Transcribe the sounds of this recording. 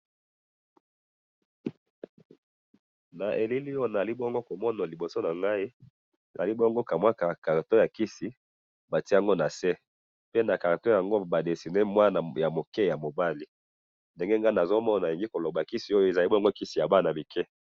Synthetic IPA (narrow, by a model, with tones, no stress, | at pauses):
na˨ʔe˨li˦li˦jo˦˨na˨a˨li˦bɔ˦ŋɡo˦ko˨mɔ˦na˨li˨bo˨so˦na˨ŋɡa˦i˦ | e˨za̰˨li˦bɔ˦ŋɡo˦ka˨mwa˦ka˨ka˨ʁto˦ja˨ki˦si˨ | ba˨ti˦a˦ŋɡo˦na˨sɛ˦ | pe˦na˨ka˨ʁto˦ja˨ŋɡo˦ba˨de˨si˨ne˦mwa˦na˨ja˨mo˨kɛ˦ja˨mo˨ba˦li˨ | nde˨ŋɡe˦ŋɡa˦˨na˨zo˦mɔ˦˨n˨a˨i˨ŋɡi˦ko˨lo˨ba˨ki˦si˨o˦jo˦e˨za˨li˦bo˦ŋɡo˦ki˦si˨ja˨ba˦˨na˨mi˨kɛ˦